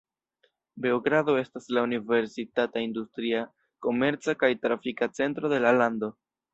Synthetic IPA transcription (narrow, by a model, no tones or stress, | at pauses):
be̞oɡɾado̞e̞staslaunive̞ɾsitataindustɾia | ko̞me̞ɾt͡sakajtɾafikat͡se̞ntɾo̞de̞lalando̞